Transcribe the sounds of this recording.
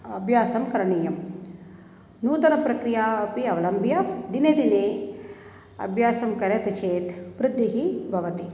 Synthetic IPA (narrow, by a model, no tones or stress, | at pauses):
ɐbʱjaːsɐmkɐɾɐɳiːjɐm | nuːt̪ɐnɐpɾɐkɾijaːɐpiɐʋɐlɐmbʱjad̪ineːd̪ineː | ɐ̰bʱjaːsɐmkɐɾjɐt̪ɐt͡ʃeːt̪ʋɾɪd̪ʱːiɦibʱɐʋɐt̪i